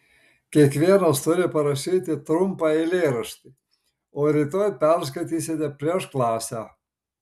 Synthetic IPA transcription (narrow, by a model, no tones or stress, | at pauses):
kʲiɛkʋʲiɛnɐst̪ʊɾʲɪpɐɾɐʃʲiːt̪ʲɪt̪ɾʊmpɑɪlʲeːɾɐʃʲt̪ʲɪ | oːɾʲɪt̪oːjpʲɛɾs̬kɐt̪ʲiːsʲet̪ʲɛpʲɾʲiɛʃklˠɑːsʲæ